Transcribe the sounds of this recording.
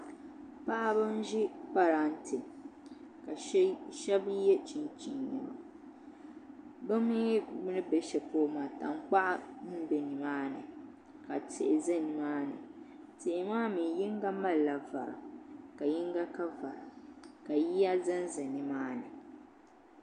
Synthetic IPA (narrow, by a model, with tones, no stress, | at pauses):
pa˦ʔa˦bɨ˦n˦ʒi˦pa˦ɾa˦n̩˦tʰɨ˨ | ka˨ʃɛ˦bjɛ˦t͡ʃi˨nt͡ʃi˨nnɨ̰˨ma̰˨ | bɨ˦mi˦bʊ˦nɨ˦bɛ˨ʃɛ˨poː˦ma˨ta˨ŋ˦k͡pa˦ʔa˦nɨ˦bɛ˨ni˨maː˦nɨ̰˨ | ka˨tʰe˨ʔɪ˨zɛ˦nɨ˨maː˦nɨ̰˨ | te˨ʔɪ˨maː˦mi˨ji˦ŋɡa˦ma˦lla˨va̰˨ɾɨ̰˨ka˨ji˦ŋɡa˦ka˦va˨ɾɨ˨ka˨ji˦ja˦zɨ˦n˦zɨ˨nɨ˨maː˦nɨ˨